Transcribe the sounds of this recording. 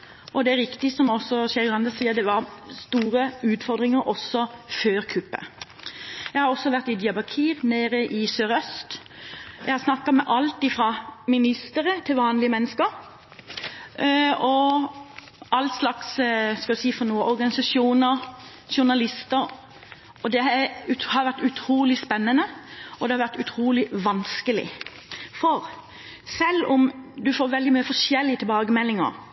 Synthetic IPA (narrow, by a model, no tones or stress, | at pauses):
ʔɔd̪ɛæɾɪkt̪ɪsɔmɔsːɔʃɛɾɡlɑnd̪əsiːəd̪ɛʋɑɾst̪uːɾəʉːt̪fɔɾd̪ɾɪŋəɾɔsːɔføːɾkʰʉpːə̰ | jæɪhɑɾɔsːɔʋæʁt̪ɪd̪ɪɑbɑkʰiːɾneːɾəʔɪsøːɾœst̪ | jæɪhɑɾsnɑkːɑmɛʔɑlt̪ɪfɾɑmɪnɪst̪əɾət̪ʰɪlʋɑːnlɪəmɛnːəskəɾ | ɔ | ʔɑlslɑksskɑʉsiːfɔnuːəʔɔɾɡɑnɪsɑʂuːnəɾ | ʃʊnɑlɪst̪əɾ | ɔd̪ɛæʉhɑɾʋæʁt̪ʉt̪ʰɾuːlɪspɛnːənəɔd̪ɛhɑɾʋæɾt̪ʉt̪ʰɾuːlɪʋɑnskəlɪ̰ | fɔɾ | sɛlːʊmd̪ʉfoːɾʋɛld̪ɪmyːəfɔʂɛlːɪət̪ʰɪlbɑːɡəmɛlːɪŋə̰ɾ